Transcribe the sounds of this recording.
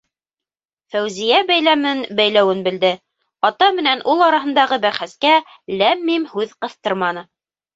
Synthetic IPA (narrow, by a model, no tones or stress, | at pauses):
fæwzijæbæjlæmɘnbæjlæwɘnbɘ̆ld̪ɘ | ɑt̪ɑmɘ̆nænʔulˠɑɾɑɦɤ̆nd̪ɑʁɤbæɾχæskæ | læmːimhʉðqɤ̆θt̪ɤɾmɑnɤ